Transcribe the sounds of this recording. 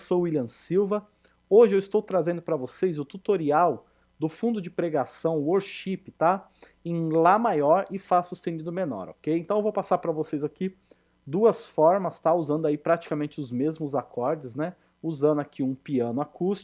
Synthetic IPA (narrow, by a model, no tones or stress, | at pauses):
soilɐ̃siwvɐ | oʒɪewɪst̪owt̪ɾazẽnd̪ʊpɾɐvosejzʊt̪ut̪oɾiaw | d̪ʊfũnd̪ʊd͡ʒɪpɾeɡasɐ̃w̃woɾʃipɪ̥t̪a | ẽlamajɔɾɪfasust̪ẽd͡ʒ̪id̪ʊmenɔ̰ɾo̰kejẽt̪ɐ̃w̃evowpasaɾpɾɐvosejzaki | d̪uɐsfɔɾmɐst̪auzɐ̃nd̪ʊaipɾat͡ʃi̥kamẽnt͡ʃɪʊzmezmʊzakʰɔɾd͡ʒɪznɛ | uzɐ̃nd̪ʊakʰiũpiɐ̃nʊakust͡ʃ